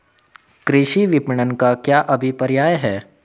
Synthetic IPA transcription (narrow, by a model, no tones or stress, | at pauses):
kɾɪʃiʋɪpɪɳənkakjaːʔɐbʱipɐɾjaːjɦɛː